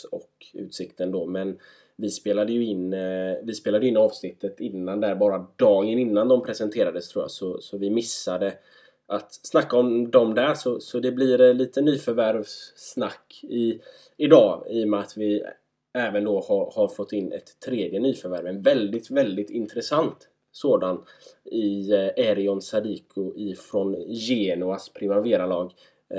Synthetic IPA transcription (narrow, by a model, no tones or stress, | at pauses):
ɔ̰kʉ̰ːt̪sɪkt̪ənd̪ɔmɛn | vɪspeːlad̪əjɵɪnvɪspeːlad̪jəɪnːɑːvsnɪt̪ʰːət̪ɪnːand̪æɾbɑːɾad̪ɑːɡənɪnːand̪ɔmpʰɾɛsɛnt̪ʰeːɾad̪əst̪ʰɾuːja̰ːsɔsɔvɪmɪsːad̪ə | ʔat̪snakːaɔmd̪ɔɔmd̪æɾʂɔsɔd̪ɛblɪɾɛliːt̪ənyːfœɾvæɾvsnakːɪ | ɪd̪ɑːijɔmat̪vɪ | ɛːvənd̪ɔhaɾhaɾfɔt̪ʰːɪnːʔɛ̰t̪ʰːɾeːd̪jənyːfœɾvæɾvɛnvɛld̪ɪt̪vɛld̪ɪt̪ɪnt̪ɾɛsant̪ | soːd̪anɪɛɾɪɔnsad̪iːkʰʊʔɪfɾɔnjeːnʊaspʰɾɪmaɾveːɾalɑːɡ